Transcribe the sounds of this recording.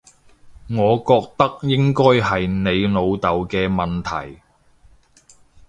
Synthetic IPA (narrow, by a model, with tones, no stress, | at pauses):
ŋɔː˨˧kɔː˧k̚t̪ɐ˥k̚jɪ˥ŋkɔː˥jɦɐ˨jne˨˧jno˨˧wt̪ɐ˨wkɛː˧mɐ˨nt̪ʰɐ̰˨˩j